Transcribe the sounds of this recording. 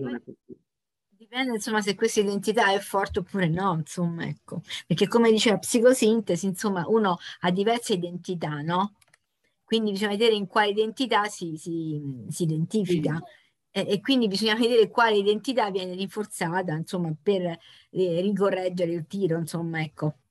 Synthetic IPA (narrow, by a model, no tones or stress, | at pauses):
ak | d̪ipɛnd̪ensomːas̬ekːwest̪aid̪ent̪it̪aɛfːɔrt̪eopːuːɾenɔnsomːaɛ̰kːopeɾrk̟ekːomed̪it͡ʃeːvapsikosint̪esinsomːaʔuːnoad̪ːivɛrseid̪ent̪it̪anɔ | kwind̪ibizoɲːaved̪eːɾeiŋkwaːleid̪ent̪it̪asisisiːd̪ent̪iːfika | ɛːkːwind̪ibizoɲːaved̪eːɾekwaːleid̪ent̪it̪avːjɛːneɾiɱfort̪saːt̪̬ainsomːaper | rːik̬orːɛd͡ʒːeɾeilt̪iːɾoinsomːaɛkːo